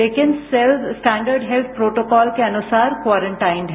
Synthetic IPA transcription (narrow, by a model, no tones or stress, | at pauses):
eːkɪnselbsʈɛ̃ːɳɖəɾɖɦɛlt̪̚ʰpɾoːʈoːkɔːlkeɐnʊsaːɾkʋaːɾə̃ɳʈaːɪnɦɛ